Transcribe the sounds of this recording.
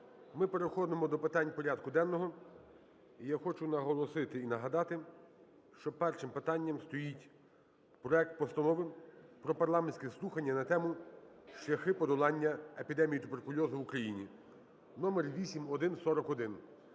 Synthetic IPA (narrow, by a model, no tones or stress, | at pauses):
mɪpe̞ɾexɔd̪ɪmɔd̪ɔpɪt̪ɑnʲpɔɾʲad̪kʊd̪ɛnːɔɦɔ | ijaxɔt͡ʃʊnɐɦɔlˠɔsɪt̪ɪinɐɦɐd̪ɑt̪ɪ | ʃt͡ʃɔpɛrʃɪmpɪt̪ɑnʲːɐmst̪ɔjitʲ | pɾɔɛk̚t̪̚pɔst̪ɐnɔʋɪpɾɔpɐrlˠɑmenʲsʲkʲɛslˠuxɐnʲːɐnɐt̪ɛmʊʃt͡ʃlʲɐxɪpɔd̪ɔlˠɑnʲːɐepʲid̪ɛmʲijit̪ʊberkʊlʲɔzʊwukɾɐjinʲḭ | nɔmerʋʲisʲimɔd̪ɪnsɔɾɔkɔd̪ɪn